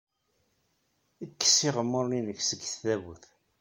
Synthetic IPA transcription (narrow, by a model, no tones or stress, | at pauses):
əkːə̥siʁəmːəɾninəçsəɡːθθævuθ